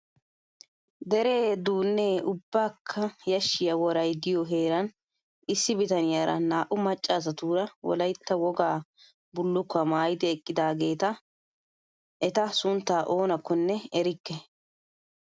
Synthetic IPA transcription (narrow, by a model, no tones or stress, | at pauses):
d̪ɛɾe̞ːd̪uːnːeːʊbːaːkʰːɐjɐʃːɪjɐwɔɾɐjd̪ɪjɔɦe̞ːɾɐn | ɪsːɪbɪt̪ɐnɪjaːɾʔɐ̰naːʔʊmɐt͡ʃʼːaːs̬ɐt̪uːɾɐwɔ̰lɐjt̪ːɐwɔɡaː | bʊlːʊkːɐmaːjɪd̪ɪɛkʼːɪd̪aːɡe̞ːt̪ɐ | ʔɛt̪ɐsʊnt̪ːaːʔoːnɐkːɔnːɛɛɾɪkːɛ